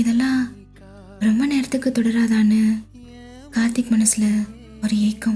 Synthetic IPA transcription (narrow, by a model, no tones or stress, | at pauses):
ɪðɛlːãː | ɾɔmbɐneːɾɐt̪ːɯkːɯt̪ɔɽɐɾaːðaːnɯ | kaːɾt̪ɪkːɯmɐnɐsɪlɐ | ɔɾɯɛjkːɐ̃